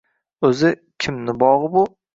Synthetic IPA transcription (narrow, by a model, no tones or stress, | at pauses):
ɵzɪ | kʲʰɪmnɪbɒʁbʊ